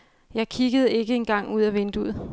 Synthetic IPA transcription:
jɑ̈ɪkʰiɡ̥əð̞̩ˠe̝ɡ̥əe̝nɡ̥ɑ̈ŋ̰uð̞̰ˠæʋend̥uð̰ˠ

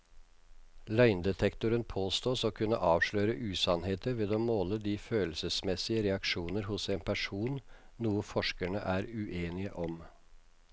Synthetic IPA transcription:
lœɪnd̪ɛt̪ʰɛkt̪ʊɾənpʰoːst̪oːsoːkʰʉnːə̰ʔɑːʋʂɭœːɾəʔʉːsɑnheːt̪əɾʋeːd̪oːmoːləd̪iːføːlsəsmɛsɪəɾɛɑkʂuːnəɾhʊseːnpʰæʂuːn | nuːəfɔʂkæɳə̰ʔæːɾʉʔeːnɪəʔɔm

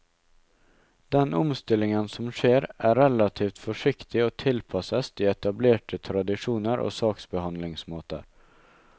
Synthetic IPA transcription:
d̪̥ɛnɔmst̪ɪlːɪŋənsɔmʂeːɾæɾɛlɑt̪ʰiːft̪fɔʂɪkt̪ɪɔt̪ʰɪlpʰɑsəst̪ɪːɛt̪ɑbleːʈʰət̪ʰɾɑd̪ɪʂuːnəɾʔo̰sɑːksbɛhɑnd̪lɪŋsmoːt̪ə̰ɾ

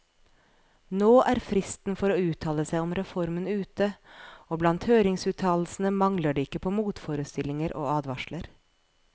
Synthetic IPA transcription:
noːʔæːɾfɾɪst̪n̩fɔɾoːʉːt̪ʰɑːləsæɪɔmɾɛfɔɾmənʉːt̪əoːblɑnt̪høːɾɪŋsʉːt̪ʰɑːll̩sn̩əmɑŋləɖeːɪkːəpʰoːmuːt̪foːɾəst̪ɪlɪŋəɾʔo̰ːɑːd̪ʋɑʃləɾ

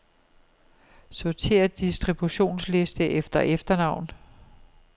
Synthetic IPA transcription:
sɒt͡sʰe̝̰ːɐd̥isd̥ʁib̥uɕo̝̰ːnsle̝sd̥əʔefd̥ɐʔefd̥ɐnɑ̈ʊ̰n

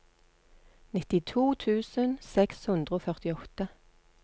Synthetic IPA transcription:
nɪt̪ɪt̪ʰuːt̪ʰʉːsənsɛkshʉnd̪ʁəoːfœʁt̪ɪɔt̪ə

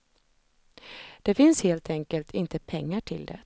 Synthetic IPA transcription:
d̪̥ɛfɪnsheːlt̪ʰɛŋkəlt̪ʰɪnt̪əpʰɛŋːaʈʰɪld̪ɛ̰

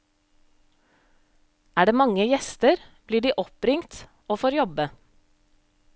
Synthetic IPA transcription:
æːɖeːmɑŋəjɛst̪əɾb̥liːɖiːʔɔpɾɪŋt̪ | oːfoːɾjɔbə

